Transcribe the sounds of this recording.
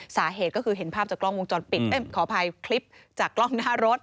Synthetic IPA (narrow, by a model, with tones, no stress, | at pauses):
saː˩˦ɦeː˨˩kɔː˥˩kʰɯː˧ɦe˩˦npʰaː˥˩p̚t͡ɕaː˨˩klɔ˥˩ŋwo˧ŋt͡ɕɔː˧npi˨˩t̪̚e˥˩mkʰɔː˩˦pʰa˧jkʰli˦˥p̚t͡ɕaː˨˩kːlɔ˥˩ŋnaː˦˥ɾo˦˥t̪̚